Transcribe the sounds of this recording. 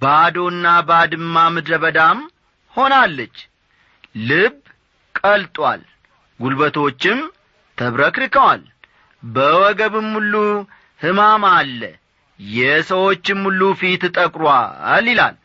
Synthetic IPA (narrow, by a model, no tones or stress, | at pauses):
bad̪o̞nːabad̪ɨmːamɨd̪ɾəβəd̪am | ho̞nalːət͡ʃː | lɨb | kʼəlt̪ʼwa̰l | ɡulbət̪ʰo̞t͡ʃːɪm | t̪ʰəβɾəkɾɨkəwal | bəwɔɡəβɨmːulːu | hɨmamalːə̰ | jɛsəwo̞t͡ʃːɨmːulːufit̪t̪ʼəkʼɾwalːila̰l